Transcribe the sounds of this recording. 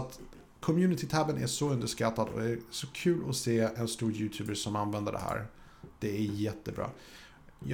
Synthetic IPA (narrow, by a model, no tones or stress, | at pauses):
t̪ | kʰɔmjʉ̟ːnɪt̪ʰɪt̪ʰæbənæ̰ʂɔɵnd̪əʂkat̪ːad̪ɔ̰d̪æsɔkʰʉ̟ːlɔseːɛnst̪uːɾjʉ̟ːt̪ʰʉːbəʂɔmanvɛnd̪əɖɛ̰hæ̰ːɾ | d̪̥ɛæɾjɛt̪ːəbɾɑ̰ː | j